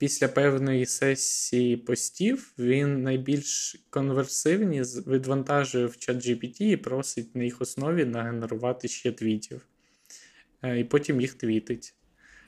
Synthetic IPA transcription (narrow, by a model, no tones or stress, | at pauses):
pʲisʲlʲɐpɛwnɔjisɛsʲːijipɔsʲtʲiwʋʲinːɐjbʲilʲʃkɔnʋersɪwnʲizʋʲɪd̪ʋɐnt̪ɑʒʊjɛwt͡ʃɛd͡ʒipʲitʲiːpɾɔsɪt̚ʲnɐjixɔsnɔʋʲinɐɦeneɾʊʋɑt̪ɪʃt͡ʃɛt̪ʋʲitʲiw | ipɔtʲimjixt̪ʋʲit̪ɪtʲ